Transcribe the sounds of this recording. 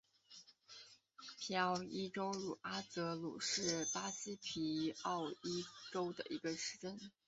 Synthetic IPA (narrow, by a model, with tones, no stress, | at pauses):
pʰi˧˥ɑ˥˧ʊi˥ʈ͡ʂo˥ʊɻu˨˩ʔa˥t͡sɤ˧˥lṵ˨˩ʂɻ̩˥˩pa˥ɕi˥pʰi˧˥ɑ˥˩ʊi˥ʈ͡ʂo˥ʊd̪ə̰˨ʔi˧˥ɡə˧ʂɻ̩˥ʈ͡ʂə˥n